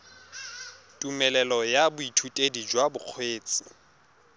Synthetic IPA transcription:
tʼumɛlɛlɔjabʊitʰutʼedid͡ʒwabʊq͡χʰweːt͡sʼɪ̥

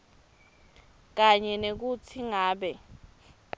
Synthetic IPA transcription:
k̬aɲɛnek̬utʰiŋaːɓɛ

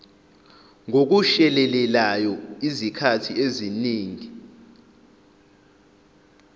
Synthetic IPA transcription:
ŋok̬uʃɛlɛlɛlajɔizikʰatʰieziniːŋi

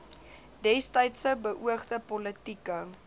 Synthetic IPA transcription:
dɛstəjtsəbəʔuəχdəpɔlətikə

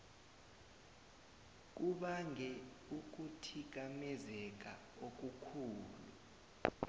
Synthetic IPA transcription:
k̬uɓaŋʱɛ | uk̬utʰik̬amɛzɛk̬ʼa | ok̬ukʰuːlṵ

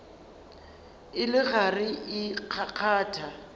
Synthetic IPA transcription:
ɪlɪɣarɪʔɪq͡χʰaq͡χʰaːtʰa

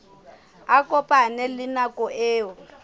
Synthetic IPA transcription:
akɔpʼanɛlɪnakʼɔʔeːɔ

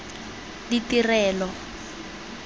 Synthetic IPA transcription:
ditirɛːlɔ

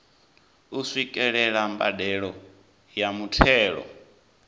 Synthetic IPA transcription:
usʷikʼɛɺɛɺamba̰dɛɺɔ | jamutʰɛːɺɔ̰

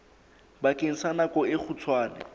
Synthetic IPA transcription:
bakʼeŋ̩sanakɔɪk͡xʰut͡sʰwaːnɛ̰

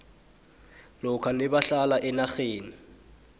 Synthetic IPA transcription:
lʊkʰanɪbaɬalaʔɪnaχeːni

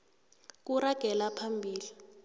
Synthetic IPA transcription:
k̬uɾaɡ̥ʱɛlapʰambʱiːli

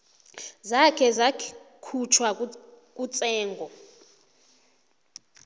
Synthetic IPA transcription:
zakʰɛzakʰut͡ʃʰwa | kʼut͡sʼɛːŋɡʱɔ

